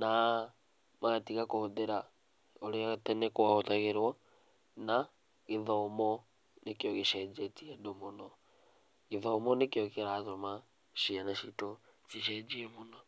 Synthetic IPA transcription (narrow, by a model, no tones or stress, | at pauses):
na | maɣatiɣakoðeɾa | oɾeatɛnɛkwahotaɣeɾwɔ | na | ɣeðɔomɔ | nekjɔɣeʃɛd͡ʒetiedomonɔ | ɣeðɔomɔnekjɔkeɾatoma | ʃianaʃitot͡ʃiʃ̬ɛd͡ʒiɛmonɔ